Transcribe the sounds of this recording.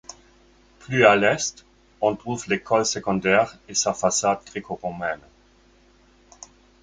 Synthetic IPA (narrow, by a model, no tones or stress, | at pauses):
pʰlyalɛst̪ | ɔ̃t̪ʁuvlekʰɔlsəkɔ̃d̪ɛːʁesafasad̪̚ɡʁekoʁomɛn